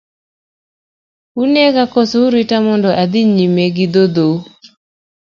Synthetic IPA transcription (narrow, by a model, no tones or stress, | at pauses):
uneɡakɔsouɾitamɔndɔʔad̪iɲimeɡɪd̪od̪o